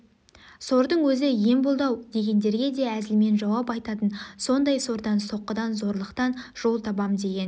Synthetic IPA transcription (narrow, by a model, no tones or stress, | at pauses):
so̞ɾd̪əɴwɵzɪje̞mbolˠd̪ɑwd̪e̞ɡʲe̞nd̪e̞ɾɡʲe̞d̪e̞æzɪlme̞nʒɑwɑpɑjt̪ɑt̪ənso̞nd̪ɑjso̞ɾd̪ɑnso̞qːəd̪ɑnzo̞ɾlˠəqt̪ɑnʒ̥o̞lˠt̪ʰɑbɑmd̪e̞ɡʲe̞n